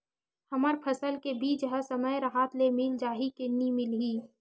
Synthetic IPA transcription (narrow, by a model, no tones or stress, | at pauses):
həmaɾpʰəsəlkebiːt͡ʃɦəsəməjɾəɦaːt̪lemɪld͡ʒaːɦikenimɪlɦiː